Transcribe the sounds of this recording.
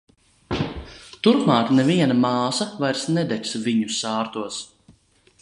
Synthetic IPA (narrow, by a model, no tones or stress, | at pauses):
t̪uɾpmaːkneviɛnɐmaɑːsavajɾsnɛd̪ɛt̪ʲsviɲusaːɾt̪uɔs